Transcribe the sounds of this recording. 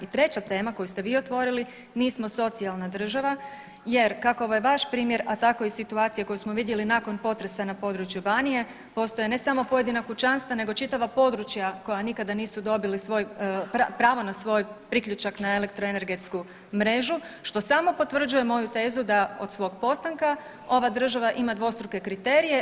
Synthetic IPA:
it̪ɾe̞t͡ɕat̪e̞ːmako̞just̪e̞ʋiːo̞t̪ʋo̞ɾili | niːsmo̞so̞t̪sialˠnad̪r̩ʒaʋa | je̞ɾkakooʋojeʋaʃpɾiːmje̞ɾat̪ako̞isit̪uaːt̪ijako̞jusmoʋid̪je̞linaːko̞npo̞t̪ɾe̞sanapo̞d̪ɾut͡ʃjubaːnije̞ | po̞st̪o̞jene̞samo̞po̞je̞d̪inakut͡ʃanst̪ʋane̞ɡo̞t͡ʃit̪aʋapo̞d̪ɾut͡ʃjako̞janikad̪aniːsud̪o̞bilisʋo̞jpapɾaːʋo̞nasʋo̞jpɾikʎut͡ʃaknae̞le̞k̚t̪ɾoene̞ɾɡe̞t̪sku | mɾe̞ʒuʃt̪o̞samo̞po̞t̪ʋr̩d͡ʒuje̞mo̞jut̪e̞ːzud̪ao̞d̪̥sʋo̞ːɡpo̞st̪aŋka | o̞ʋad̪r̩ʒaʋaʔimad̪ʋo̞st̪ɾuke̞kɾit̪e̞ɾije̞

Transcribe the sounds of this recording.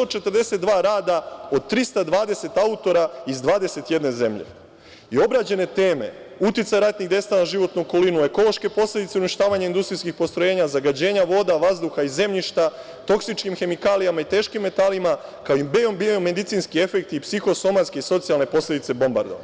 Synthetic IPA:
st̪ot͡ʃe̞t̪ərd̪e̞se̞t̪̚d̪ʋaːɾaːd̪ao̞d̪̚t̪ɾist̪ad̪ʋaːd̪e̞se̞t̪aut̪o̞ɾaizd̪ʋaːd̪e̞se̞t̪je̞d̪ne̞ze̞mʎḛ | io̞bɾad͡ʑe̞ne̞t̪e̞ːme̞̰ut̪it̪sajɾat̪niɣd̪e̞st̪aanaʒiʋo̞t̪nuoko̞linue̞ko̞lˠo̞ʃke̞po̞slʲe̞d̪it̪seuniʃt̪aːʋaɲaind̪ust̪ɾiskixpo̞st̪ɾoje̞ːɲazaɡad͡ʑe̞ːɲaʋo̞d̪aʋazd̪uxaize̞mʎiʃt̪a | t̪o̞ksit͡ʃkimxe̞mikaːlijamait̪eːʃkimːe̞t̪alimakaoibeombiomːe̞d̪it̪siːnskie̞fe̞k̚t̪ipsixo̞so̞mat̪skeiso̞t̪sialne̞po̞slʲe̞d̪it̪se̞bo̞mba̰ɾd̪oʋa̰

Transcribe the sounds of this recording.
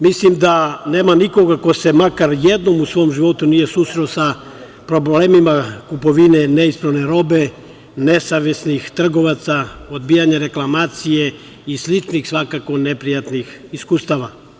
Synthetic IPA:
mislimd̪ane̞ːmaniko̞ɡako̞se̞makaɾjed̪no̞musʋo̞omʒiʋo̞t̪unije̞suːsɾelosa | pɾo̞bleːmimakupo̞ʋine̞neispɾaʋne̞ɾo̞be̞ | ne̞saʋesnixt̪r̩ɡo̞ʋat̪saod̪bijaɲeɾe̞klˠamaːt̪sije̞ | islit͡ʃnixsʋakako̞nepɾijat̪nixiskuːst̪aʋa

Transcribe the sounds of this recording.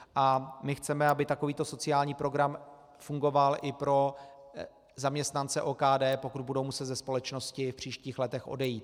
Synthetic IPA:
ʔamɪxt͡sɛmɛabɪt̪ako̞viːt̪o̞so̞t͡sɪaːlɲiːpɾo̞ɡɾam | fuŋɡo̞valʔɪpɾo̞ | zamɲɛst̪nant͡sɛʔoːkaːdɛːpo̞kud̪̚budowmusɛt̪zɛspo̞lɛt͡ʃno̞scɪfpr̝̥iːʃciːxlɛt̪ɛxʔo̰dɛjiːt̪

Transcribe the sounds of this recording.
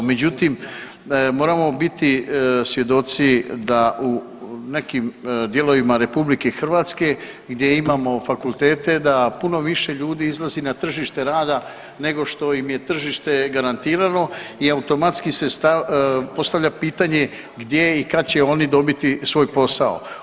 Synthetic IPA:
me̞d͡ʑut̪im | mo̞ːɾamo̞bit̪isʋje̞d̪o̞t̪sid̪aʔu | ne̞kimd̪je̞lo̞ʋimaɾe̞publike̞xr̩ʋaːt̪ske̞ | ɡd̪je̞imamo̞fakulˠt̪e̞ːt̪e̞d̪apuno̞ʋiʃe̞ʎuːd̪iizlˠazinat̪r̩ʒiʃt̪e̞ɾaːd̪a | ne̞ɡo̞ʃt̪o̞imje̞t̪r̩ʒiːʃt̪e̞ɡaɾant̪iːɾano̞iaut̪o̞mat̪skisest̪apo̞st̪aʋʎapiːt̪aɲe̞ | ɡd̪je̞ikad̪̚t͡ɕe̞o̞nid̪o̞bit̪isʋo̞ːjpo̞sao̰

